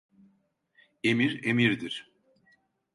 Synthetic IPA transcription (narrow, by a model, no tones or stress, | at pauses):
emiɾemiɾd̪iɾ̥